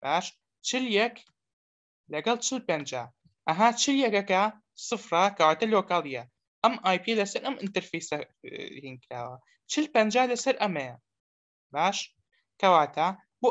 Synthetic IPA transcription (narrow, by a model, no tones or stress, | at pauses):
b̥aːʃ | t͡ʃɪljɐk | lɐɡɐlˠt͡ʃɪlpɐnd͡ʒa̰ | ʔɐɦat͡ʃɪljɐkɐka | sˤɨfɾˤɑkɐwaːt̪aloːkaːlˠija | ʔɐmʔaːjpelɐsɐɾʔɐmʔɪnt̪ɐɾfeːsahinkɾa̰ːwɐ | t͡ʃɪlpɐnd͡ʒaːlɐsɐɾʔɐme | baːʃ | kɐwaːt̪a | bu